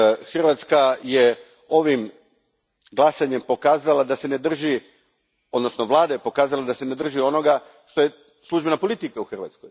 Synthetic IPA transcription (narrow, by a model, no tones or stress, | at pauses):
xr̩ʋat̪skaje | o̞ʋim | ɡlˠasaɲe̞mpo̞kaːzalad̪ase̞ne̞d̪r̩ʒi | o̞d̪no̞snoʋlˠaːd̪ajepo̞kaːzalad̪ase̞ned̪r̩ʒio̞no̞ɡa | ʃt̪o̞je̞ | slˠuʒbe̞napolˠit̪ikauxr̩ʋa̰t̪skoj